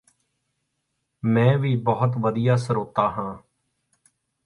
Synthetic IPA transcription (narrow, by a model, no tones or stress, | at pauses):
mɛ̃ːʋiːbəːət̪ʋəd̪ɪjaːsəɾoːt̪aːɦãː